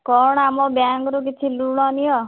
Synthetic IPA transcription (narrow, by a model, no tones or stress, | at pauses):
kɔɽamɔ̃bjaŋɡɾuk̬it͡ʃʰiluɽ̃ɔnijɔ